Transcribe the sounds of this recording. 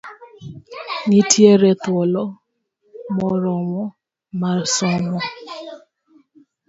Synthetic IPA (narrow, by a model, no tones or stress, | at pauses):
ŋɪtʰjeɾɛt̪wɔlɔ | mɔɾɔmɔ | marsɔmɔ